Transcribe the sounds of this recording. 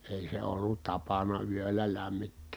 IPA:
eˑi se olːut tɑpɑnɑ yølːæ læmːitːeːs

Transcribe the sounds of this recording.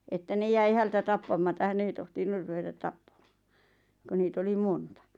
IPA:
etːæ ne jæi hæitæ tɑpːɑmɑtɑ hæn ei tohtinur ruʋetɑt tɑpːɑm̥ɑ̥ː ko niːt oli montɑ

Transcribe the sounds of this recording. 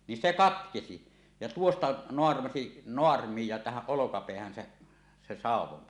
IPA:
nin se kɑtkesi jɑ tuostɑ noɑrmɑsi noɑrmij jɑ tæhæʔ ʔolokɑpeæhæn se se sɑˑuwˑon

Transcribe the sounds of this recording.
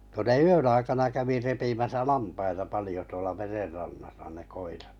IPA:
ko ne yøn ɑikɑnɑ kæʋi repimæsæ lɑmpɑitɑ pɑlĭjo tuolɑ mererːɑnːɑsɑ ne koirɑt

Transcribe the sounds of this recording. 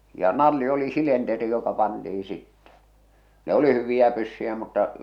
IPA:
jɑ nɑlːi oli silenteri jokɑ pɑntii sitːɛ ne oli hyʋij̆æ pysːyjæ mutːɑ

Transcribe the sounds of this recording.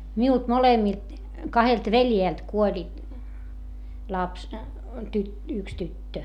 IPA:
miult molemːilt kɑhelt ʋeljeˑlt kuolʲi lɑps tyt yks tytːø

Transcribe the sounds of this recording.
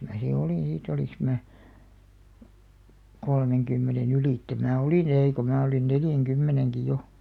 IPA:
mæː si oliˑn̞ siːt oliŋks mæː kolmeŋkymːenen ylitːe mæː oliˑn eiˑ ko mæː olin neljæŋkymːeneŋki jo

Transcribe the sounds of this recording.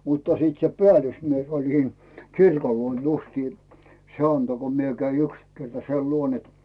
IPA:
mutːɑ siːt se peæˑlysmies olʲ siːn kirkol luon justiː se ɑnto ko mie kæi yks kertɑ sei luon et

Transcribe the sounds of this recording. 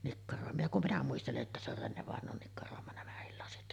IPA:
nikːɑroˑemɑ jɑ kum minæ muisteleʔ ʔetːæ se or renːeʋɑˑenˑoːn nikːɑroˑemɑ næmæhil lɑsit

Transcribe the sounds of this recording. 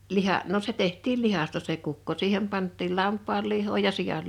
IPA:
lihɑʔ no se tehtˑiːl lihɑstɑ se kukːo siːhem pɑntˑiːl lɑmpˑɑːl lihˑoː jɑ sijɑl

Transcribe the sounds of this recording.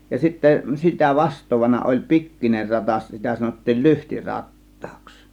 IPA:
jɑ sitːæ sitæ ʋɑstˑoːʋɑnɑ olʲ pikːiner rɑtɑs sitæ sɑnotːiːl lyhti rɑtːɑ̥ːks

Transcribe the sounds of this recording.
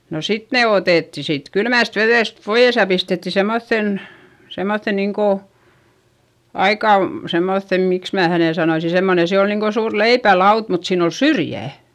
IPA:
no sit ne oteˑtːi siːt kylmæˑst ʋeðeˑst poij̆es jɑ pistetːi semːoθːen semːoθːe niːŋ ko ɑikɑ semːoθːem miks mæː hæneˑ sɑnoisi semːone se on niːŋ ko suːr leipælɑut mut siːn o syrjæˑ

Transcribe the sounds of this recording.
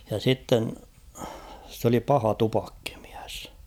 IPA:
jɑ sitːen s oli pɑhɑ tupɑkːi̥m̥i̥æ̥s

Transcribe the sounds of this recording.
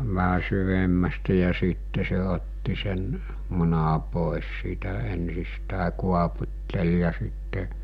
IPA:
ʋæɦæ syʋemːæstæ jɑ siːtːe se otːi sen munɑ poˑes siːtæ ensistæˑe kuɑputʲtel jɑ sitːe

